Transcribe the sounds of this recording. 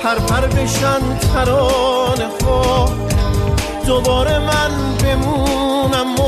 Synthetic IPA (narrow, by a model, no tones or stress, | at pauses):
pʰæɾpʰæɾbeʃænd̪fæɾɔneχɔː | d̪obɔːɾemæn | bemunæmːo